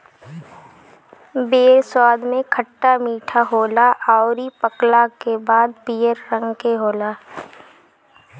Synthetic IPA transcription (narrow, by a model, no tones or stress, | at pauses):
beːɾswaːd̪ʱmẽkʰəʈːamiːʈʰaɦoːlaʔaːɾipəklakebaːd̪̚pijəɾːə̃ŋɡkeɦoːlaː